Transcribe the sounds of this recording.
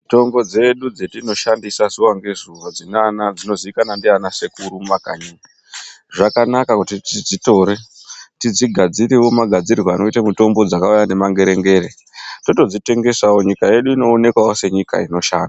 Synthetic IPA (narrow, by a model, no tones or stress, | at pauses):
to̞mbo̞d͡ze̞ɗud͡zetino̞ʃandisazuwaŋɡe̞zuʋad͡zinanad͡zino̞ziikanandianasekuɾumakaɲu | ʐakanakakutitid͡zito̞ɾe̞ | tid͡ziɡʱad͡ziɾiwo̞maɡʱad͡ziirwaːno̞itamuto̞mbo̞d͡zakaujane̞maŋɡe̞ɾe̞ŋɡe̞ːɾe | to̞to̞d͡zite̞ŋɡe̞saoɲikaje̞ɗuino̞ːne̞kwaose̞ɲika̰ino̞ʃaːnda